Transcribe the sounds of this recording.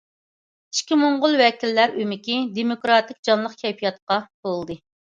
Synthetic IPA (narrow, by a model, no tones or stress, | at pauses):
i̥ʃkʲimoɴʁʊlˠwɛkʲilːæɾymɪkʲid̪emokɾɑt̪ɪk̚ʲd͡ʒɑnlˠəqkʲʰɛjpʰijɑt̪̚qɑb̥olˠd̪ɨ